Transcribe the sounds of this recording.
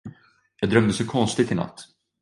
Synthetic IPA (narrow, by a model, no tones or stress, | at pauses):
jɑːd̪ɾœmd̪əsɔkʰɔnst̪ɪt̪ɪna̰t̪ː